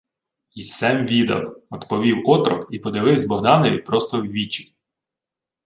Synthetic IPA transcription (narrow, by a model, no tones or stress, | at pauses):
isɛmʋʲid̪ɐ̰wɔt̪pɔʋʲiwɔt̪ɾɔkipɔd̪ɪʋɪwzʲbɔɦd̪ɑnɔʋʲipɾɔst̪ɔwʋʲit͡ʃi̥